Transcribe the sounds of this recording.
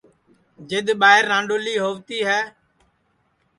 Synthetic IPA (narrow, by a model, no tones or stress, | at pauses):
d͡ʒɪɗ̪ɓaːɪɾːãːɳɖoːliːɦoːʋt̪iːɦɛː